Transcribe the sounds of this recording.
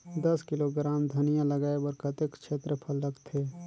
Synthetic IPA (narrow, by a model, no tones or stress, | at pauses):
d̪ɐskɪloɡɾaːmd̪ʱənijãləɡaːebəɾkɐt̪ekt͡ʃʰeːt̪ɾəpʰəlːəɡt̪ʰeː